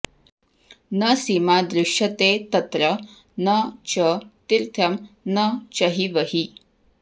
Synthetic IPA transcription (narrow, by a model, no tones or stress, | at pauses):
nəsimad̪ɾɪʂjɐt̪et̪ɐt̪ɾə | nɐt͡ʃət̪iɾt̪ʰjɐmnət͡ʃɐɦiʋəɦi